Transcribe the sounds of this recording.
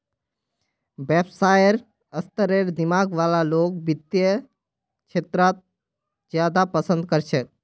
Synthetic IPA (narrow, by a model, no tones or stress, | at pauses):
bebsajəɾ | əst̪əɾeɾd̪imaːɡʋaːlaloːkbit̪jə | t͡ʃʰeːt̪ɾat̪̚ | d͡ʒjaːd̪apəsə̃nd̪kəɾt͡ʃʰɛ